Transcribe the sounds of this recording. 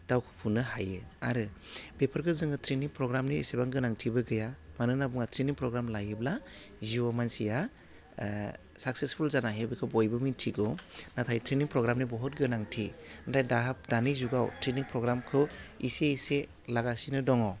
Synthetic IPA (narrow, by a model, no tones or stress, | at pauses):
d̥awkʰɯ̥pʰunɯɦajɯaɾɯbepʰɯɾɡɯzɯŋɯtʰɾeniŋpɾɔɡɾamniḛsebaŋɡɯnaŋtʰibɯɡɯjamanɯnabuŋatɾeniŋpɾɔɡɾamlajɯbla | ziɔmansija | sak̚sespʰulzanaɦebikʰɯbɔjbɯmintʰiɡɔnatʰajtʰɾeniŋpɾɔɡɾamnibɔɦɔt̚ɡɯnaŋtʰinɾajdaɦap̚danizuɡawtɾeniŋpɾɔɡɾamkʰɯḭseise | laɡasinɯdɔŋɔ